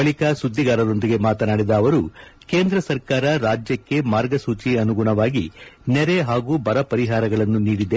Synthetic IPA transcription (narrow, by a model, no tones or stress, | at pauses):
ɐɭikɐsud̪ʱːiɡaːɾɐd̪o̞nd̪iɡe̞maːt̪ɐnaːɽid̪ɐːʋɐɾuke̞ːnd̪ɾɐsɐɾkaːɾɐɾaːd͡ʒjɐkːe̞maːɾɡɐsuːt͡ʃiɐnuɡuɳɐʋaːɡinɛɾe̞ɦaːɡuːbɐɾɐpɐɾiɦaːɾɐɡɐɭɐnːuniːɽid̪e